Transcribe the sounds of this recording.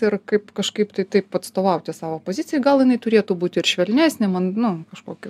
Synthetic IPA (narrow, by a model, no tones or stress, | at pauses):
ɪrkɐɪpkɐʃkɐɪpt̪ɐɪt̪ɐɪpɐt̪st̪oːʋɐʊt̪ʲɪsɑːʋoːpoːzʲɪt͡sʲɪjɛɡɐlˠjɪnɐɪt̪ʊɾʲeːt̪uːbuːt̪ʲɪɾʃʲʋʲɛlʲnʲæːsʲnʲɪmɐnnʊkɐʃkoːkʲɪ